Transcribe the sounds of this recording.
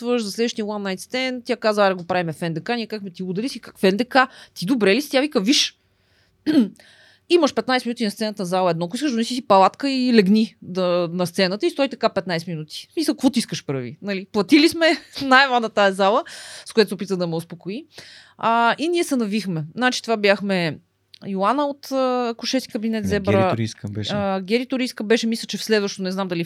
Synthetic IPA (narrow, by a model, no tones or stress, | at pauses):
vəʃzɐslɛd̪vəʃt̪ijəlˠanːajt̪st̪ɛnt̪ʲjakazvəɛd̪ɐɡopɾavimɛfɛnd̪ɛkanʲiɛkakmɛt̪iud̪ɛlisikakfɛnd̪ɛkat̪id̪obɾɛlisi̥t̪javikɐviʃ | iməʃpɛt̪najsɛminut̪ʲinɐst̪sɛnət̪ənzalˠəɛd̪nɔkʊiskəʃd̪onɛsis̬ipɐlˠat̪kəilɛɡnid̪ənɐst̪sɛnət̪əist̪ɔit̪ɐkapɛt̪najsɛminut̪i̥smisɐlˠkvɔt̪iskəʃpɾə̰vḭnɐliplˠɐt̪ilismɛnajvanət̪aɛzalˠəskojat̪ʊsopit̪əd̪ɐmɛospokoi | əiniɛsɛnɐvixmɛnat͡ʃi̥t̪ovabjaxmɛ | jolˠanəot̪əːkʊʃɛst̪ki̥kəbinɛt̪zɛbɾəiskbɛɡʲɛɾit̪oɾiskəbɛʃɛmislʲət͡ʃɛfslɛd̪vəʃt̪onɛznamd̪ɐli